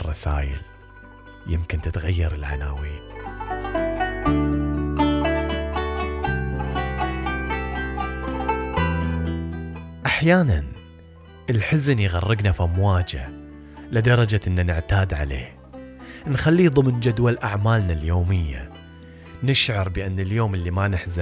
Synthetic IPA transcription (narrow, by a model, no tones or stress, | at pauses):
rˤːɑsa̰ːjɪ̰l | jɪmkɪnt̪ɪt̪ɣajːɑɾˤɪlʕa̰naːwiːn | ʔaħjaːnan | ʔəlħɪznijɣɑrˤːɪɡnafʔamwaːd͡ʒa̰ | lɪd̪ɑɾˤɑd͡ʒaʔɪnːanɪʕt̪aːd̪ʕa̰lḛːh | nxalːiːðˤɨmnd͡ʒad̪walʔaʕmaːlnaljoːmɪjːa̰ | nɪʃʕɑɾˤbɪʔanːɪljoːməlːimanɪħzɪ